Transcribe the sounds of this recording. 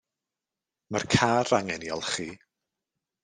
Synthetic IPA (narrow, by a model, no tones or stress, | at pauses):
markʰaːraŋɛnjɔ̰lˠχi